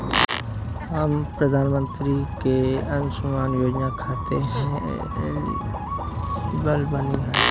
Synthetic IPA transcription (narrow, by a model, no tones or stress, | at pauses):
aːmpɾəd̪ʱaːnmə̃nt̪ɾikeːənsʊmaːnjoːd͡ʒnaːkʰaːt̪ḛɦɛ̰̃ | lḭ | bəlbaniːɦə̃